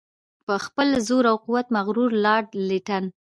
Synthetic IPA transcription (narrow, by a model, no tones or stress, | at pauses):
pəxpəlzoɾawquwat̪maɣɾuɾlɑɽliʈan